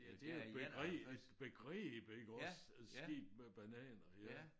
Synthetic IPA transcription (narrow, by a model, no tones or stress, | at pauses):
d̥eb̥eɡ̥ʁɛed̥b̥e̝ɡ̥ʁɛ̰ːb̥e̝ɡ̥əɒs | æsɡ̥e̝̰ːb̥meb̥ænɛ̰ːnɐjæ